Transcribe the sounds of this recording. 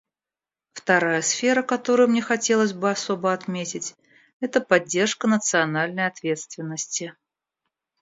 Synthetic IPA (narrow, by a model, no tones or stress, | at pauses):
ft̪ɐɾajəsfʲeɾəkɐt̪o̞ɾʊjmnʲexɐtʲelˠəsʲbɨɐsobəɐt̪mʲetʲɪtʲ | ɛt̪əpɐdʲːe̞rʂkənət̪sɨɐnalʲnəjɐt̪vʲe̞t̪st̪vʲɪnːəsʲtʲɪ